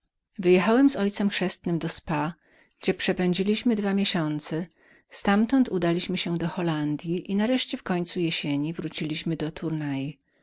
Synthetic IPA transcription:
vɘjɛxawɛmzɔjt̪sɛmxʂɛst̪nɘmd̪ɔspa | ɡ̥d͡ʑɛpʂɛpɛɲd͡ʑilʲiɕmɘd̪vamʲjeɕɔnt̪sɛ | st̪amt̪ɔnt̪ʰud̪alʲiɕmɘɕɛd̪ɔxɔland̪ʲjiʔinaɾɛʂt͡ɕɛfkɔɲt̪sujɛɕeɲivɾut͡ɕilʲiɕmɘd̪ɔt̪ʰuɾnaji

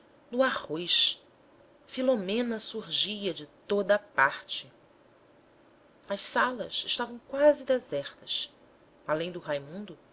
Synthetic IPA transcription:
nʊahojʃ | filomẽnɐsuɾʒijɐd͡ʒɪt̪od̪ɐpaɾt͡ʃɪ | ɐʃsalɐ̰sɪʃt̪avɐ̃w̃kwazɪd̪ezɛχt̪ɐs | alẽj̃d̪ʊɦajmũnd̪ʊ

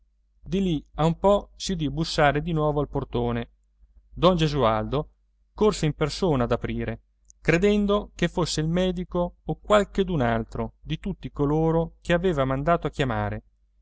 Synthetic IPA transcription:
d̪iliaumpɔsid̪ibːusːaːɾed̪inwɔːvoalport̪oːne | d̪ɔnd͡ʒezuald̪o | korseimpersoːnaːd̪apɾiːɾe | kɾed̪ɛnd̪okefːosːeilmɛːd̪ikoːkwalked̪unalt̪ɾod̪it̪ut̪ːikoloːɾok̟eaveːvamand̪aːt̪oakːjama̰ːɾe

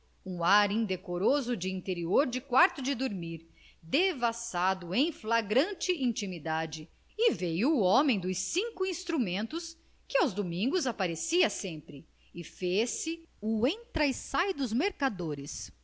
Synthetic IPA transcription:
ũaɾĩnd̪ekoɾozʊd͡ʒɪĩnt̪eɾioɾd͡ʒɪkwaɾt̪ʊd͡ʒɪd̪oɾmiɾ | d̪evasad̪ʊẽj̃flaɡɾɐ̃nt͡ʃɪʔĩnt͡ʃimid̪ad͡ʒɪ | ɪvejʊːomẽj̃d̪ʊsĩŋkʊĩst̪ɾumẽnt̪ʊs | kɪawzd̪omĩŋɡʊzapaɾesiɐsẽmpɾɪ | ɪfesɪʊẽj̃t̪ɾajsajd̪ʊzmeɾkad̪oɾɪs

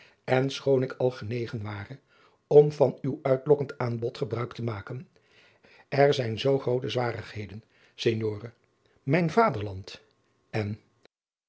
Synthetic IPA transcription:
ɛnsχownɪkʰɑlˠχənejχənʋaːrə | ɔmvɑnywœɥtlɔkəntaːnbɔtχəbrœɥktəmaːkən | ɛɹzɛjnzowχrowtəzʋaːrəχhejdən | seɲjoːrə | mɛjnvaːdəɹlɑnt | ɛn

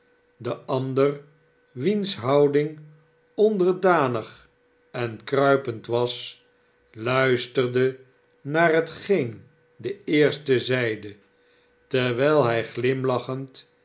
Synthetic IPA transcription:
dəʔɑndər | ʋinsɦɑwdɪŋ | ɔndəɹdaːnəχ | ɛnkrœɥpəntʋɑs | lœɥstərdə | naːrɦətχejn | dəɪːɹstəzɛjdə | tɛʋɛjlˠɦɛjχlɪmlɑχənt

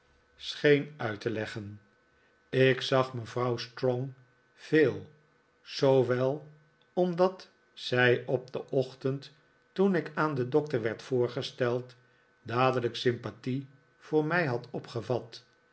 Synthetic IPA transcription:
sχejnœɥtəlɛχən | ɪksɑχməvrɑwstrɔŋ | v̥eːlˠ | z̥owʋɛlˠ | ɔmdɑt | sɛjɔb̚dəʔɔχtənt | tunɪkaːndədɔk̚təɹʋɛɹtfʊːɹχəstɛlˠt | daːdələksɪmpati | v̥ʊːɹmɛjɦɑtɔpχəvɑt

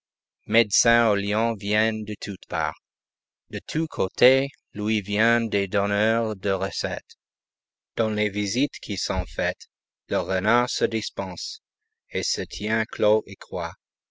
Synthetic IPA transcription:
mɛd̪sɛ̃oljɑ̃vjɛnd̪ət̪ʰut̪pa̰ːʁ | d̪ət̪ʰukʰot̪ʰe | lwivjɛ̃d̪ed̪ɔnœʁd̪əʁəsɛ̰t̪ | d̪̥ɑ̃levizit̪kʰisɔ̃fɛt̪ | ləʁənaʁsəd̪ispɑ̃s | esət̪ʰjɛ̃kʰloʔekχwa

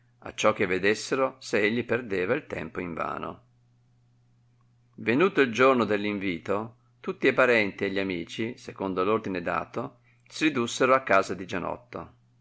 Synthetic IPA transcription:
a̰t͡ʃːɔk̟ːevːed̪esːeɾoseeʎːiperd̪eːvailt̪ɛ̰mpoiɱva̰ːno̰ | venuːt̪oild͡ʒornod̪elːiɱviːt̪o | t̪ut̪ːiepaɾɛnt̪ieʎːiamiːt͡ʃisekond̪olord̪ined̪a̰ːt̪o | siɾid̪usːeɾoakːaːzad̪id͡ʒanɔ̰t̪ːo̰

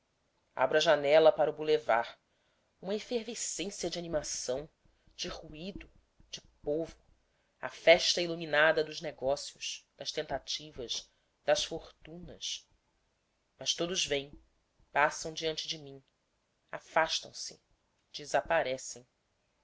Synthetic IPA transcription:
a̰bɾʊɐʒanɛlɐpaɾɐubulevaɾ | ũmɐĩfeɾvesẽsiɐd͡ʒɪanimasɐ̃w̃ | d͡ʒɪhuid̪ʊ | d͡ʒɪpovʊ | ɐ̰fɛʃt̪ɐiluminad̪ɐd̪ʊzneɡɔsiʊʃd̪̥ɐʃt̪ẽnt̪at͡ʃivɐʃ | d̪ɐʃfoɾt̪ũnɐʃ | mɐʃt̪od̪ʊzvẽj̃ | pasɐ̃w̃d͡ʒiɐ̃nt͡ʃɪd͡ʒɪmĩ | a̰faʃt̪ɐ̰̃w̃sɪ̰ | d͡ʒɪzapaɾɛsẽj̃

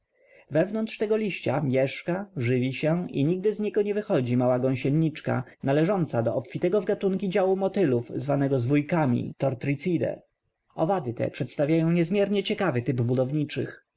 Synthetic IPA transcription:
vɛvnɔnt̪ʂt̪ɛɡɔlʲiɕt͡ɕamʲjɛʂkaʐɘvʲiɕɛʔḭɲiɡ̚d̪ɘzɲɛɡɔɲɛvɘxɔd͡ʑimawaɡɔ̃ɕɛnɲit͡ʂka̰nalɛʐɔnt̪sad̪ɔɔpfʲit̪ɛɡɔvɡat̪uŋkʲid͡ʑawumɔt̪ɘluvzvanɛɡɔzvujkamʲḭt̪ɔɾt̪ɾit̪sʲid̪ɛ̰ | ɔ̰vad̪ɘt̪ɛ̰pʂɛt̪st̪avʲjajɔ̃w̃ɲɛzmʲjɛɾɲɛt͡ɕɛkavɘt̪ɘbbud̪ɔvɲit͡ʂɘ̰x

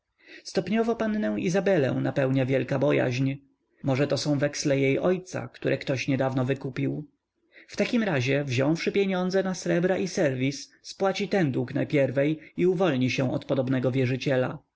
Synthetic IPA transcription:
st̪ɔpɲɔvɔpanːɛw̃izabɛlɛ̰̃w̃napɛwɲavʲjɛlkabɔja̰ʑɲ | mɔʐɛt̪ɔsɔ̃w̃vɛkslɛjejʔɔjt̪sa̰kt̪uɾʔɛkt̪ɔɕɲɛd̪avnɔvɘkupʲiw | ft̪akʲimɾaʑɛvʑɔ̃w̃fʂɘpʲjeɲɔnd̪zɛnasɾɛbɾaʔisɛɾvʲisːpwat͡ɕit̪ɛnd̪ukna̰pʲjɛɾvɛjiuvɔlɲiɕɛw̃ʔɔt̪pɔd̪ɔbnɛɡɔvʲjɛʐɘt͡ɕɛla̰

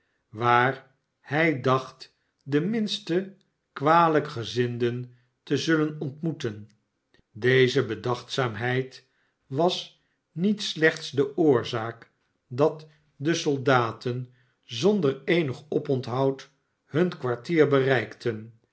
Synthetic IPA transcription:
ʋaːr | hɛjdɑχt | dəmɪnstə | kʋaːləkχəzɪndən | təzɵlənɔntmutən | dejzəbədɑχtsaːmɦɛjt | ʋɑs | nitslɛχtsdəʔʊːɹzaːk | dɑt | dəsɔlˠdaːtən | zɔndəɹejnəχɔpɔntɦɑwt | hɵnkʋaɹtiːɹbərɛjktʰən

